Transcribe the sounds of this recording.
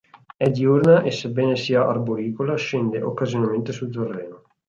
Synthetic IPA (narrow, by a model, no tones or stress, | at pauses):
ɛd̪iurnaʔesebːɛːnesiːaʔa̰rboɾiːkolaʃend̪eʔo̰kːazjonament̪esuld̪t̪orːɛːno